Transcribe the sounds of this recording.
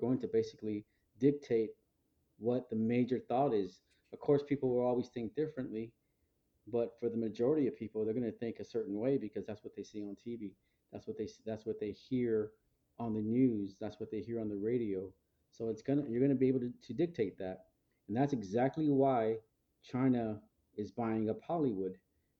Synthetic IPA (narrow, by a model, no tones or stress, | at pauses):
ɡ̥oʊɪ̃ŋtʰɨbeɪsɨ̥kli | dɪk̚tʰeɪt̚ | wʌt̪̚ðɨmeɪd͡ʒə˞θɔɾɪz | ʌv̥kʰɔɹspʰipl̩ˠwə˞ɔlˠwiz̥θɪ̃ŋk̚d̥ɪfɹɨ̃nʔli | b̥ʌtfə˞ðəmɨd͡ʒɔɹɨɾiʌv̥pʰipl̩ˠðə˞ɡʌ̃nɨθɪ̃ŋkɨsɜ˞ʔn̩weɪbɨkʰʌzðætswʌt̪̚ðeɪsiə̃ntʰivi | ðætswʌt̪̚ðeɪsðætswʌt̪̚ðeɪhiɹ | ə̃nðɨnjʉzðætswʌt̪̚ðeɪhiɹə̃nðɨɹeɪɾioʊ | soʊɨtsɡ̥ʌnɨjə˞ɡʌnɨbieɪbl̩ˠtʰɨtʰɨdɪk̚tʰeɪt̪̚ðæt̚ | n̩ðætsɨɡzæk̚tˡliwaɪ | t͡ʃʰãɪ̃nə | ɪzbãɪɪ̃ŋəpʰɑlˠiwʊd̥